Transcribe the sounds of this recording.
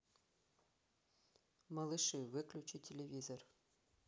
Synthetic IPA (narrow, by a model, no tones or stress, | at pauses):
mɑlˠɨʂɨvɨklʲut͡ɕitʲelʲevʲizor